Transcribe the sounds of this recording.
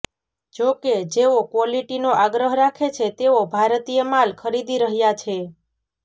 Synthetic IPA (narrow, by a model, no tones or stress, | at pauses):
d͡ʒoked͡ʒeokʋɔliʈinoʔaɡɾəɦɾakʰet͡ʃʰet̪eobʱaɾt̪ijəmalkʰəɾid̪iɾəɦjat͡ʃʰe